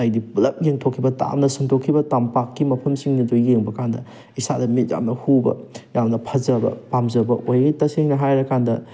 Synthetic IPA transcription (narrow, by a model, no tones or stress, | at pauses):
ajdiplɐp̚jeŋtʰokʰːibɐta̰mnɐsuŋtʰokʰːibɐtampakːimɐpʰɐmsiŋnidojɡeŋbɐkandɐ̰ | isadɐmit̚ja̰mnɐhubɐ̰jamnɐpʰɐzɐbɐ̰pamzɐbɐʔojɡitɐseŋnɐɦajɾɐkandɐ